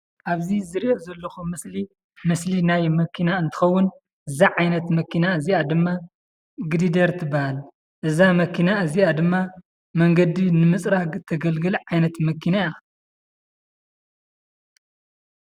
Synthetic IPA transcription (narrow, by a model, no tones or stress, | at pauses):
ʔaβzizɨɾiʔozɐlːɐxumɨsli | mɨslinajmɐkʰinaɨnt̪ʰɨ̥xɐwːʊn | ʔɨzaʕajnɐt̪mɐkʰinaɨziʔad̪ɨmːa | ɡɨd̪id̪ɐɾt̪ʰɨbahal | ʔɨzamɐkʰinaɨziʔad̪ɨmːa | mɐŋɡɐd̪inɨmɨsʼɾat̪ʰɐɡɐlɡɨlʕajnɐt̪mɐkʰinaja